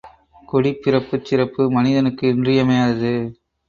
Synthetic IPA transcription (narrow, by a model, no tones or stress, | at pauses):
kɔɽipːɪɾɐpːɯt͡ʃːɪɾɐpːɯmɐnɪðɐnɯkːɯɪndrɪjɐmɐjaːðɐðɯ